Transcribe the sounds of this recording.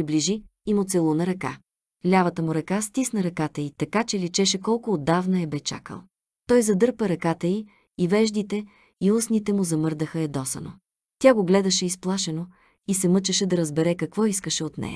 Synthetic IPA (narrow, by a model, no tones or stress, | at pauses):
pɾibliʒiːmʊt̪sɛlˠunɐɾɐka̰ | lʲavɐt̪əmʊɾɐkast̪isnɐɾɐkat̪əit̪ɐkat͡ʃɛlit͡ʃɛʃɛkɔlˠkʊːd̪ːavnɐɛbɛt͡ʃa̰kə̰lˠ | t̪ɔjzɐd̪ɤɾpəɾɐkat̪əi | ivɛʒd̪it̪ɛ | iusnit̪ɛmʊzɐmɤɾd̪əxəɛd̪ɔsɐ̰no̰ | t̪ʲaɡoɡlɛd̪ɐʃɛisplˠaʃɛno | isɛmɤt͡ʃɐʃɛd̪ɐɾɐzbɛɾɛkɐkvɔiskəʃɛot̪nɛ̰jɐ̰